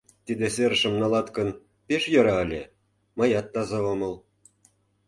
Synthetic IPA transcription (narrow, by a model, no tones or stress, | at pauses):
t̪id̪eseɾʃə̆mnɑlɑt̪kə̆n | peʃjɤ̆ɾɑəlʲe | mɤ̆jɑt̪ːɑzɑomɤ̆l